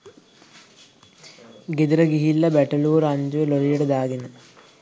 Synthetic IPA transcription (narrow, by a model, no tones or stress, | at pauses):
ɡed̪ɾɐɡiɦilːɐbæʈɐluːɾɐɲd͡ʒuʋeloɾijɐʈed̪aːɡenə